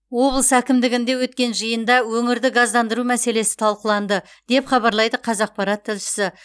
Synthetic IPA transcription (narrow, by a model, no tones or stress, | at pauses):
wo̞blˠəsækʲɪmd̪ɪɡʲɪnd̪e̞wɵt̪kʲe̞nʒəjənd̪ɑwɵŋɪɾd̪ɪɡɑzd̪ɑnd̪əɾumæse̞le̞sɪ̥t̪ʰɑlˠqəlˠɑnd̪ə | d̪̥e̞pχɑbɑɾlˠɑjd̪əqʰɑzɑq̚pɑɾɑt̪ʰːɪlʃɪ̥sɪ